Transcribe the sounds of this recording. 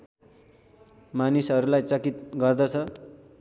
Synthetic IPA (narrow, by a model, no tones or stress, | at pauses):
manisɦʌɾulajt͡sʌkit̪ɡʌrd̪ʌt͡sʰʌ